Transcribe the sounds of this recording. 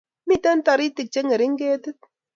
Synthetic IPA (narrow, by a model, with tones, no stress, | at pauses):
mi˦ta˦n̩˦ta˨ɾi˦ti˨k̚t͡ʃe˦ŋe˨ɾi˨˦ŋ̩˦ɡe˦tɨ˦t̚